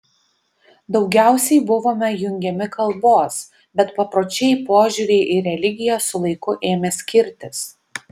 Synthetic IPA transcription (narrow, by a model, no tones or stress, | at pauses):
d̪ɒʊɡʲæˑʊsʲɛɪbʊʋoːmʲɛjʊŋʲɡʲɛmʲɪkɐlˠboːs | bʲɛt̪pɐpɾoːt͡ʃʲɛjpoːʒʲuɾʲeɪʔɪɾʲɛlʲɪɡʲɪjɛsʊlˠɐɪkʊʔeːmʲɛsʲkʲɪɾʲt̪ʲɪs